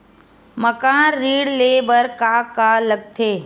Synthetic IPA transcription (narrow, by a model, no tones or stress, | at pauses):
məkãːɾːiːɽleːbəɾkaːkaːləɡ̚t̪ʰeː